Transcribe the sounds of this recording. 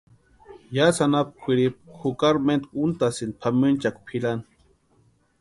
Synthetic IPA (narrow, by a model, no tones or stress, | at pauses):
jasanap̚kʷʰiɾip̚xukaɾment̪kunt̪asɨnd̪̚pʰamɨnt͡ʃakʷpʰilan